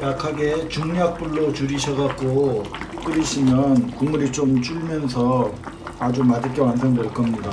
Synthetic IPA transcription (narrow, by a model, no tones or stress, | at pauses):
jakʰaɡe̞t͡ɕuŋɲak̚p͈uɭːot͡ɕuɾiɕʰʌɡak̚k͈ok͈ɯɾiɕʰimjʌnkuŋmuɾit͡ɕ͈omt͡ɕ͈uɭmjʌnsʰʌ | ad͡ʑumadɯɭk͈ewansʰʌŋɡʌɭk͈ʌmɲida